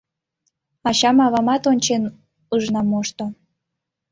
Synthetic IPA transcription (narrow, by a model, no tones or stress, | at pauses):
ɑɕɑmɑβɑmɑt̪onʲt͡ɕen | uʒnɑmoʃt̪o